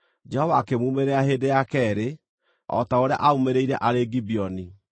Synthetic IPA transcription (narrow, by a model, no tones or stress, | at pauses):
d͡ʒɛhɔvaːkemuːmeɾeaɦeːdejakɛɾe | ɔ̰taoɾea̰ʔaumeɾeiɾɛʔaɾeɡibiɔni